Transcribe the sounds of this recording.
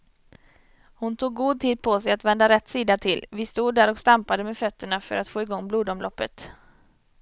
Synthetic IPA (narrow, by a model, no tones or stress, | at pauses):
hʊnt̪ʰuːɡːuːd̪̚t̪ʰiːd̪̚pʰɔsɛjat̪vɛnd̪aɾɛt̪ːsiːd̪at̪ʰɪlvɪst̪uːd̪ːæːɾɔkst̪ampad̪əmeːfœt̪ːəɳafœ̰ɾat̪foːɪɡɔŋːbluːd̪ɔmlɔpːət̪